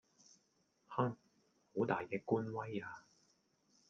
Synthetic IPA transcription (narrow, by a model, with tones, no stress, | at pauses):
haː˥ŋ | ho˨˥wt̪aː˨jkɛː˧kuː˥nwɐ˥jaː˧